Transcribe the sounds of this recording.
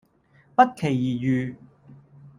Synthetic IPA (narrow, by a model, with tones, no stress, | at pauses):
pɐ˥t̚kʰe˨˩jːiː˨˩jyː˨˩